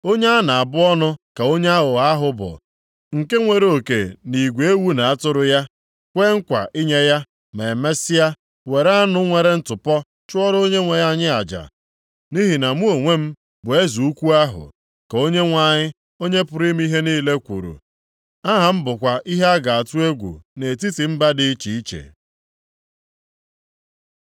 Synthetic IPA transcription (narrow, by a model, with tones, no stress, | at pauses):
o˦ɲe˦a˦na˨a˨bʊ˦ɔ˦nʊ˦ka˨o˦ɲe˦a˦ɣʊ˨ɣa˦a˦ɦʊ˦bʊ̰˨ | ŋ̩˨ke˦ŋʷe˨ɾe˦o˨kḛ˨ni˨ɡʷe˨e˦wu˦na˨a˦tʊ˦ɾʊ˦ja˦ | kʷe˦ŋ̩˦kʷa̰˨ʔi˦ɲe˦ja˦ | me˨me˦si˦a˦ | we˨ɾa˦nʊ˦ŋʷe˨ɾe˦n̩˦tʊ˨pɔ˦ | t͡ʃʊ˦ɔ˦ɾo˦ɲe˦ŋʷe˨ja˦ɲɪ˦a˨d͡ʒa̰˨ | ni˦ɦi˨na˨mu˦o˨ŋʷe˦m̩˦ | bʊ˨e˦zu˨u˦kʷu˦a˦ɦʊ̰˨ | ko˦ɲe˦ŋʷa˦˨ɲɪ˦ | o˦ɲe˦pʊ˨ɾi˦m̩˦i˦ɦe˦niː˦le˦kʷṵ˨ɾṵ˨ | a˦ɦa˨m̩˦bʊ˨kʷa˨ʔi˦ɦe˦a˦ɡa˨a˨tu˦e˦ɡʷṵ˨ne˨t̬i˦ti˨m̩˦ba˦dɪ˦i˦t͡ʃi˨i˦t͡ʃḛ˨